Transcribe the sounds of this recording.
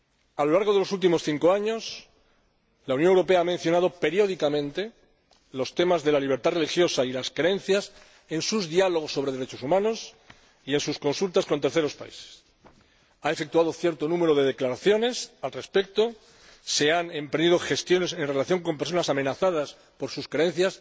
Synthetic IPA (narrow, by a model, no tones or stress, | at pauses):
alo̞laɾɣo̞ð̞e̞lo̞sult̪̬imo̞sθiŋko̞aɲo̞s | launjonewɾo̞pe̞aamen̟θjo̞nað̞o̞pe̞ɾjo̞ð̞ikamẽ̞nt̪e̞ | lo̞st̪e̞mazðe̞laliβ̞e̞ɾt̪are̞lixjo̞sailaskɾee̞n̟θjas | e̞nsuzðialo̞ɣ̞o̞sːoɾeðe̞ɾe̞t͡ʃo̞sumãno̞s | ie̞nsusko̞nsult̪askont̪eɾθe̞ɾo̞spa̰ḭse̥s | aefe̞kt̪uað̞o̞θje̞ɾt̪onũme̞ɾo̞ðe̞ðe̞klaɾaθjo̞ne̞salre̞spe̞k̚t̪o̞ | se̞ane̞mpɾend̪iðo̞xe̞st̪jo̞ne̞se̞nre̞laθjo̞ŋko̞mpeɾso̞nasamenaθað̞as | po̞ɾsuskɾeen̟θjas